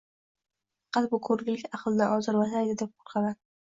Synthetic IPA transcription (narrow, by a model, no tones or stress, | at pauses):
fɑqʰɑt̪̚bʊkʰɵɾlɪkʲaχlˠɪnaʔɒzɪɾvasajd̪ɪd̪ep̚qʰo̥ɾqʰɑla